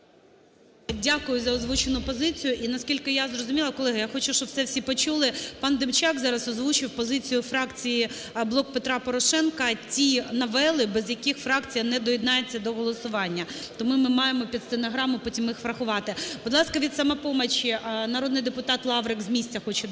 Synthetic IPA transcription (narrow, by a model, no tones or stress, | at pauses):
dʲakʊjʊzɐɔzʋut͡ʃenʊpɔzɪt͡sʲijʊʔinɐskʲilʲkɪjazrɔzʊmʲilˠɐkɔlˠɛɦɐjaxɔt͡ʃuʃt͡ʃɔb̚sɛwsʲipɔt͡ʃulˠɪpɑnd̪ɪmt͡ʃɑkzɑɾɐsɔzʋut͡ʃɪwpɔzɪt͡sʲijʊfɾɑkt͡sʲiji | blˠɔk̚pet̪ɾɑpɔɾɔʃɛnkɐtʲinɐʋɛlˠɪbɛzjɐkɪxfɾɑkt͡sʲijɐnɛd̪ɔjid̪nɑjet͡sʲːɐd̪ɔɦɔlˠɔsʊʋɑnʲːɐt̪ɔmumɪmɑjemɔpʲit̪st̪enɐɦɾɑmʊpɔtʲimɪxfɾɐxʊʋɑt̪ɪbʊd̪lˠɑskɐʋʲid̪sɐmɛpɔmɐt͡ʃinɐɾod̪nɪjd̪epʊt̪ɑt̪lˠɑʋɾekzmʲisʲtʲɐxɔt͡ʃɛ